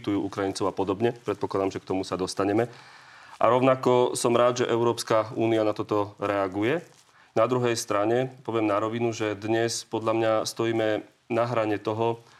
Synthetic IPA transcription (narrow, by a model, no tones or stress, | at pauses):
t̪ujuːʔukɾajint͡sɔʊapɔd̪ɔbɲɛpɾɛt̪̚pɔklad̪amʒɛk̚t̪ɔmusad̪ɔst̪aɲɛmɛʔa̰ɾɔʊnakɔsɔmɾaːd̪ʒɛʔɛʊɾɔːpskauːnianat̪ɔt̪ɔɾɛaɡujɛ | nad̪ɾuɦɛjst̪ɾaɲɛpɔʋɪɛmnaɾɔʋinuʒɛd̪ɲɛspɔd̪ʎamɲast̪ɔjiːmɛ | naɦɾaɲɛt̪ɔɦɔ